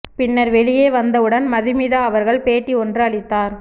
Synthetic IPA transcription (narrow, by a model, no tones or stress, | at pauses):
pɪnːɐɾʋɛɭɪjeːʋɐnd̪ɐɯɽɐnmɐðɪmɪðaːɐʋɐɾɣɐɭpeːʈːiɔndrɯɐɭɪt̪ːaːɾ